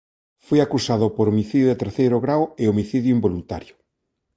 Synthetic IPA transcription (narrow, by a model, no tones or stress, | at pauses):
fojakusaðʊpoɾomiθiðjʊðet̪eɾθejɾʊɣɾaweomiθiðjʊimbolunt̪a̰ɾjʊ